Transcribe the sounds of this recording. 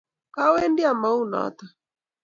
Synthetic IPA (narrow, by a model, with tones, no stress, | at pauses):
ka˦wɛ˦ndi˦a˨ma˦u˦nɔ̰˦t̪a˨